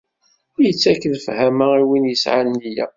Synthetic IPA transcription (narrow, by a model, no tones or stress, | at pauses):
ʊjət͡sːækːəðfhæmæiwinjəsʕanlijæ̰